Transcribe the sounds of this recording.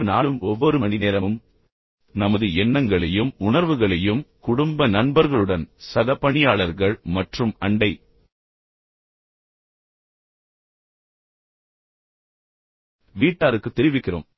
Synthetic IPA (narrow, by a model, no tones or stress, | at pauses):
naːɭɯmʔɔʋːɔɾɯmɐnɪneːɾɐmɯm | nɐmɐðɯɛnːɐŋɡɐɭɐjɯmʊɳɐɾʋɯɣɐɭɐjɯmkʊɽʊmbɐnɐnbɐɾɣɐɭɯɽɐnsɐðɐpːɐɳɪjaːɭɐɾɣɐɭmɐʈrɯmɐɳɖɐɪ | ʋiːʈːaːɾɯkːɯt̪ːɛɾɪʋɪkːɪro̰ːm